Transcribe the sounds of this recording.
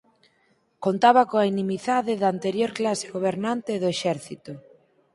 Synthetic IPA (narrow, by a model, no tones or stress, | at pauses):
kont̪aβakoainimiθaðɪðaːnt̪eɾjoɾklase̥ɣoβ̞eɾnant̪eðʊeʃɛɾθit̪ʊ